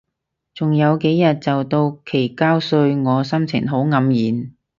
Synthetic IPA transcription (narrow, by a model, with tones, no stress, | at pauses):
t͡sʊ˨ŋjɐ˨˧wke˨˥jjɐ˨t̚t͡sɐ˨wt̪o˧wkʰe˨˩jkaː˥wsɵ˧ɥŋɔː˨˧sɐ˥mt͡sʰɪ̰˨˩ŋɦo˨˥wŋɐ˨˧˥mjiː˨˥n